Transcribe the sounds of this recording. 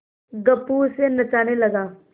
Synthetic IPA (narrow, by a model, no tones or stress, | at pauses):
ɡɐpːuːsenɐt͡ʃaːnelɐɡaː